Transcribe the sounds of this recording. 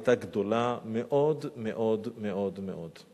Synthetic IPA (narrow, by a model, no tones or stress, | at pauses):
t̪aɡd̪o̞lameʔo̞dmeʔo̞d̪meʔo̞d̪meʔo̞d̪